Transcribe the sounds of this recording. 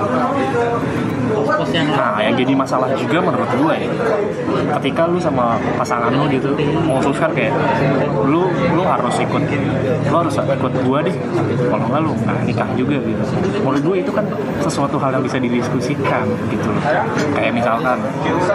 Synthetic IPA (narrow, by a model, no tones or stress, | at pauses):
ʊsanajaŋd͡ʒadimasalahd͡ʒuɡamənəɾʊt̪̚ɡuaja | kət̪ikalʊsama | pasaŋanʊɡit̪ulʊmosʊskankajaʔlʊlʊɦaɾʊsikʊt̪ | lʊhaɾʊsikʊt̪̚ɡuadɪh | kolɔŋlalʊŋa̰anik̪aŋd͡ʒuɡaɡit̪u | mɔlʊɡuait̪ukan | səsuat̪uɦaljaŋbisadidiskusikan | ɡit̪ulʊ̰ | kajaʔmisalkan